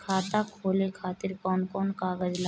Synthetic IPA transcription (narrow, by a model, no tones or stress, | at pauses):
kʰaːt̪akʰoːlekʰaːt̪ɪɾkɔːnkɔːnkaːɡəd͡ʒla